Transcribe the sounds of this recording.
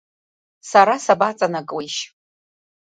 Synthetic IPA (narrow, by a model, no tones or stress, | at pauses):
saɾasabat͡sʼanakʼweʃ